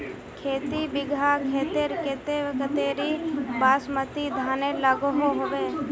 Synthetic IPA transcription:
kʰeːt̪ibɪɡʱakʰeːt̪eɾkɪt̪eʋəkət̪eːɾibaːsmət̪id̪ʱaːneləɡɦoɦoʋeː

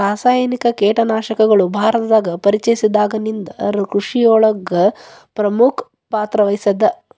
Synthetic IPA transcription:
aːsaːjɐnikɐkeːʈɐnaːʃɐkɐɡɐɭubʱaːɾɐt̪ɐd̪aːɡɐpɐɾit͡ʃɐjisid̪aːɡɐnind̪ɐɾkɾuʂijɔːɭɐɡːɐ | pɾɐmukʰ | paːt̪ɾɐʋɐjsɐd̪ɐ

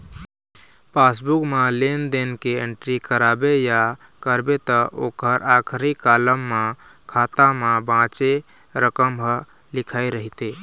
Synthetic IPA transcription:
pasbukmalend̪enkeeɳʈɾikəɾabeja | kəɾbet̪əʔokəɾʔakʰɾikaləmːakʰat̪amãbãt͡ʃe | ɾəkəmɦə | likʰaiɾəɦit̪e

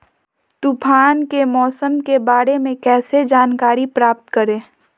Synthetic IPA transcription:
t̪ʊpʰaːnkemɔːsəmkebaːɾemẽkɛːsed͡ʒaːnkaːɾipɾaːp̚t̪kəɾẽː

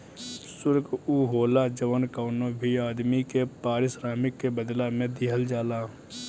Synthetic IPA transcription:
sʊɾɡuːɦoːlad͡ʒəʋənkaːnõbʱiaːd̪mikepaːɾɪsɾaːmɪkːebəd̪lamẽd̪ɪɦəld͡ʒaːlaː

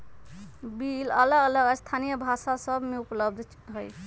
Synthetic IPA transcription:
bilələɡələɡəst̪ʰanijəbʱasasəbʱmeupləb̚d̪ʱ | ɦəj

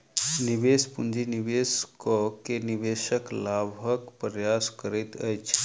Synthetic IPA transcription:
nibespund͡ʒinibeskokeniʋeːʃəklabʱəkpɾjaskəɾit̪ə̰jt͡ʃʰ

